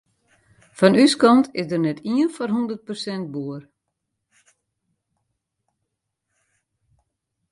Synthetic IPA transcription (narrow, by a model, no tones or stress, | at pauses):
fɔnyskɔntʰɪsdərnɛtʰiənfɔrɦundət̚pərsɛnt̚buər